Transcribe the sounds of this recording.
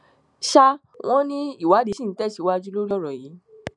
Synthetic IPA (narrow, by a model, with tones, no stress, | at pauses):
ʃa˦ | w̃ɔ̃˦nĩ˦i˦˨wa˨˦di˨˧˦ĩ˦˨˦tɛ˦˨ʃi˨˦wa˧d͡ʒu˦lo˦ɾi˦ɔ˦ɾɔ˨ji˨˦